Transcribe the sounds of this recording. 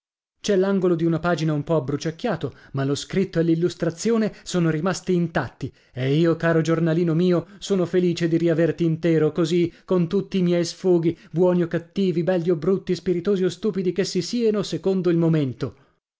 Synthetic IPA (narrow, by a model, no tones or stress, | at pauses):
t͡ʃɛlːaŋɡolod̪iunapaːd͡ʒinaumpɔabːɾut͡ʃakʲːjaːt̪omaloskɾit̪ːoelːilːust̪ɾat̪sːjoːnesoːnoɾimast̪iːnt̪at̪ːi | eiːokaːɾod͡ʒornaliːnomiːosoːnofeliːt͡ʃed̪iɾiavert̪iːnt̪ɛːɾokozikont̪ut̪ːiːmjɛjsfuːɡibwɔːniokat̪ːiːvibɛlːjiobɾut̪ːispiɾit̪oːziost̪uːpid̪ikesːisiːanosekond̪oilmoment̪o